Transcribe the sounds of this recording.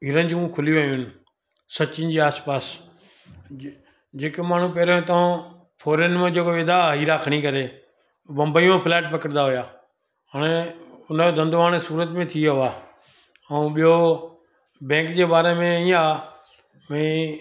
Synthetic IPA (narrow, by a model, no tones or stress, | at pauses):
ɪɾənɪ̆d͡ʑũkʰʊlijuʋejũɦɪnɪ̆ | sɐt͡ɕɪnɪd͡ʑiːaːspaːs | d͡ʑeːkmaːɳ̤ũpɛːɾõt̪ɐõ | fʰoːɾənmẽd͡ʑeːkoʋeːd̪aɦiːɾaːkʰəɽ̃ikɐɾe | bɐ̃mbəiõpʰɪlɛːʈpɐkəɽd̪aɦʊjaː | ɦaːɽ̃eʊn̤od̪ɐ̃nd̪ʋaːɽ̃suːɾət̪mẽt̪ʰiʋaː | ɛ̃ːɓijo | bɛ̃ːŋkd͡ʑeːbaːɾemẽiaː | mɛ̃